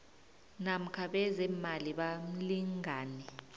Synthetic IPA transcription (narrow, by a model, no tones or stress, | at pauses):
nam̩kʰaɓɛzɛmaliɓam̩liŋaːnɛ